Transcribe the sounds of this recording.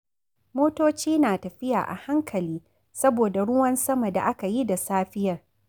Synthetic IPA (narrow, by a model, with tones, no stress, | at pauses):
moː˦toː˦t͡ʃiː˦naː˨tɐ˨ɸɪ˦ja̰ː˨ʔa̰˨ha˦ŋkʰɐ˨liː˦ | sɐ˦boː˨da˨ɽʊ˦wɐ˦nsɐ˦mɐ˨da̰˨ʔa˦ka˨ji˦da˨saː˦ɸɪ˦jɐ˨r